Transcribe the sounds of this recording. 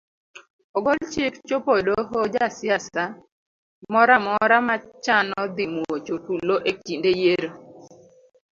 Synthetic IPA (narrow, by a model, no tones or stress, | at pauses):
ɔɡɔlt͡ʃɪkt͡ʃopodoɦod͡ʒasjasa | mɔɾamɔɾamat͡ʃanɔd̪imuot͡ʃotuloʔek̚t͡ʃindejeɾo